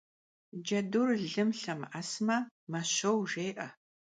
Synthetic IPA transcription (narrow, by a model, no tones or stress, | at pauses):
d͡ʒɐdurɮɨmɬɐmʔasmɐmɐɕɐwʒeːʔɐ